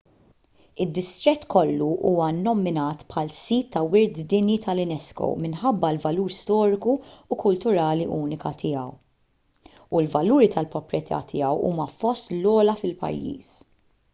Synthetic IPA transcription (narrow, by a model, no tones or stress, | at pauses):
ɪd̪ːɪst̪ɾɛt̪ːkʰɔlːuʔuːwɐnːɔmɪnɐːt̪pħɐlsiːt̪ʰːɐwɪɾd̪d̪ɪnjit̪ʰɐlɪnɛskɔ̰wmɪnħɐbːɐlvɐluːɾst̪ɔːɾɪkuːkʊlt̪ʊɾɐːliʔuːnɪkɐt̪ʰɪjɐ̰w | ulvɐluːɾit̪ɐlpɾɔpɾjɛt̪ʰɐ̰ːt̪ʰɪjɐwṵːmɐfɔst̪lɔːlɐfɪlpɐ̰jːḭːs